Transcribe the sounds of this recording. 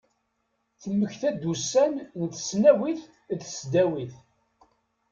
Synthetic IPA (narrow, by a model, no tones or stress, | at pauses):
θəmːəçθæd̪usænnθsnæwiθ | ðsd̪æwiθ